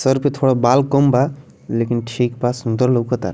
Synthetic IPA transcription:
səɾpet̪ʰoɽabalkəmba | lekinʈʰikbasund̪əɾləkət̪a̰ɾ

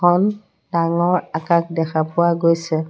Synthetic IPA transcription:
ɔn | daŋɔɹakak̚dɛkʰapʊwaɡojsɛ

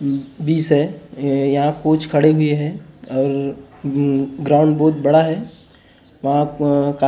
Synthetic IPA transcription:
biːsɦɛjɐɦãkoːt͡ʃʰkʰɐɽeɦʊeɦɛɔːɾ | ɡɾaːʊ̃ɳɖbɔːt̪bɐɽaɦɛ | ʋɐɦãka

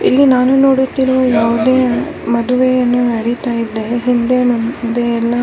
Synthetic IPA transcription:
ilːinaːnunoːɽut̪ːiɾoːjaːʋud̪eː | mɐd̪uʋejɐnːuɐɽit̪aːjid̪ːe̞ɦind̪emund̪eɛlːɐ

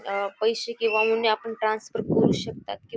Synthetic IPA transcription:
pəjʃekiʋamunːeapəɳʈɾãːnsfəɾkoɾuʃək̚t̪a̰ːt̪̚ki

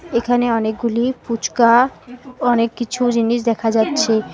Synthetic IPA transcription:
ekʰaneɔnek̚ɡuliput͡ɕka | ɔnekːit͡ɕʰud͡ʑiniʃ̬d̪ɛkʰad͡ʑatːɕʰe

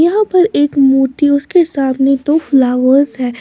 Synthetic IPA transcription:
jɐɦãpɐɾeːkmuːʈiʊskesaːmnet̪oflaːʋəɾzɦɛː

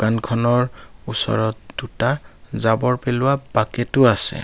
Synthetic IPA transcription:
ankʰɔnɔɹusɔ̰ɹɔt̚dutazabɔɹpɛlʊwabakɛtʊasɛ̰

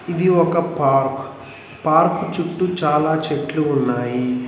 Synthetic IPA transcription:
id̪iɔkɐpaːɾk | paːɾkut͡ʃuʈːut͡ʃaːlaːt͡ʃeʈluːnːaːji

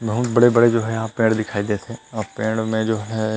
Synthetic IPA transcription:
bɐɦʊt̪bɐɽebɐɽed͡ʒoːɦɛjɐɦãpẽːɽd̪ɪkʰaːid̪esʰeɔːɾpẽːɽmẽd͡ʒoːɦɛ

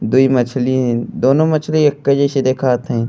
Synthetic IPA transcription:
d̪uimɐt͡ʃʰliɦɛ̃d̪oːnõmɐt͡ʃʰliekːəd͡ʒeʃid̪eːkʰaːt̪ɦɛ̃ː

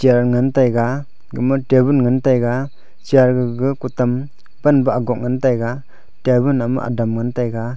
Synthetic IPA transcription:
t͡ʃiaɾŋɯntajɡa | ɡɯmɯtebunŋɯntajɡa | t͡ʃiaɾɡɯɡɯkutam | banbaaɡɔk̚ŋantajɡa | tebunamɯ̰ʔa̰damŋantajɡa

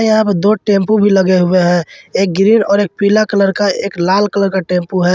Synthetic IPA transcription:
jɦãpd̪oʈẽmpubʱiləɡeɦʊeɦɛ̃ek̚ɡɾiːnɔːɾeːk̚pilakələɾkaeːklaːlkələɾkaʈẽmpuɦɛː

